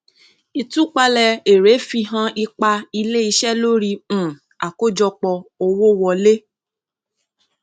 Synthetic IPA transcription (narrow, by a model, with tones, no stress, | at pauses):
i˧tu˦k͡pa˧lɛ˧e˨ɾe˨˦fi˧ɦã˦˧ʔi˧k͡pa˧i˧le˦i˧ʃɛ˦lo˦ɾĩ˧˨ | a˨ko˦d͡ʒɔ˧k͡pɔ˧o˧wo˦wɔ˧le˦